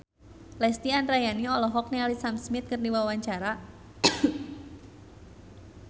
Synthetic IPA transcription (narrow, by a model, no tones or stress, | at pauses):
lɛst̪ianɾajaniɔlɔɦɔk̚nealisamsmɪt̪̚kɨrdiwawaɲt͡ʃaɾa